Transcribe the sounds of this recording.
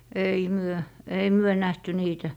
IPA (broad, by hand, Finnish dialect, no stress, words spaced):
ei myø ei myø næhty niːtæ